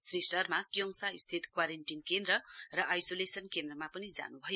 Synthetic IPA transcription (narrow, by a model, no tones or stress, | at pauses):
srisʌrmakjoŋsaist̪ʰit̪kwaɾenʈinkend̪rʌrʌʔajsolesʌnkend̪rʌmapʌnid͡za̰nubʱʌjo